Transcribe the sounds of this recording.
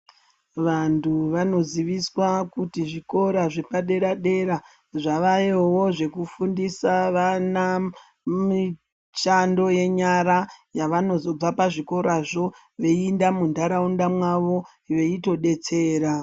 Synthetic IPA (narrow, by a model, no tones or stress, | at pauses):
ʋantʰuʋano̞ziʋiswakutiʐiko̞ɾaʐe̞paɗe̞ɾaɗe̞ɾa | ʐaʋajowo̞ʐe̞kufundisaʋana | mi | t͡ʃando̞je̞ɲaɾajaʋano̞zo̞b͡vapaʐiko̞ɾʔaʐo̞ | ʋe̞iːndamundaɾaundamwaʋo̞ | ʋeito̞ɗe̞t͡se̞ːɾa